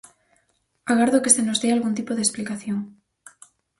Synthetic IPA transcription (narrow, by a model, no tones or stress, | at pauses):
aɣaɾðokesenozðealɣunt̪̬ipoðesplikaθjoŋ